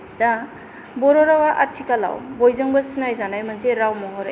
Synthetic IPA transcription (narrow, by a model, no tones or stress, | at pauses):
da | bɔɾɔɾawaʔatʰikala̰wbɔjzɯŋbɐsinajzanajmɐnzeɾawmɔɦɔɾ